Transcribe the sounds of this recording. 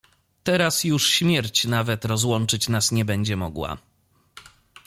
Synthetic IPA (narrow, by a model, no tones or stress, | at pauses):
t̪ɛɾasjuʂɕmʲjɛɾt͡ɕnavɛt̪ɾɔzwɔnt͡ʂɘt͡ɕnasɲɛbɛɲd͡ʑɛmɔ̰ɡwa̰